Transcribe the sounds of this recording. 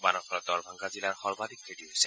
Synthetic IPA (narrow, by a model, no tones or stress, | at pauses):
banɔxɾɔt̪ɔɹbʱaŋɡazilaɹxɔɹbad̪ikɾeʈiɦojsɛ